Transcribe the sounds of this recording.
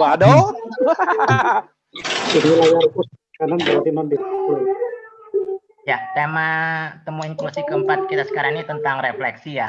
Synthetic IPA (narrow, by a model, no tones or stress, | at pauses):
wado | inilajaɾkut̚ | kanambəɾadinabɪt̪tuɾ | jat̪emat̪əmuiŋklusikəəmpat̪̚kit̪asə̥kaɾaŋnit̪ənt̪aŋɾeflɛksija